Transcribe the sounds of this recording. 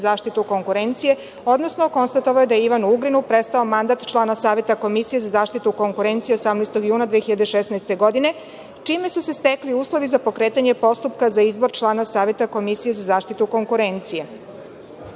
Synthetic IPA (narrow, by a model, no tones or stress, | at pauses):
zaːʃt̪it̪uko̞ŋkuɾe̞nt̪sije̞ | o̞d̪nosno̞ko̞nst̪at̪o̞ʋajed̪ajeiʋanuuɡɾinupɾest̪aomand̪at̪t͡ʃlˠaːnasaːʋje̞t̪ako̞misije̞zazaːʃt̪it̪uko̞ŋkuɾe̞nt̪sijeosamnɛjst̪o̞ɡjuːnad̪ʋexiʎad̪eʃesnaest̪e̞ɡo̞d̪ine̞ | t͡ʃiːme̞susest̪ekliuːslˠo̞ʋizapo̞kɾeːt̪aɲepo̞st̪upkazaizbo̞ɾt͡ʃlˠaːnasaːʋje̞t̪ako̞misije̞zazaːʃt̪it̪uko̞ŋkuɾe̞nt̪sije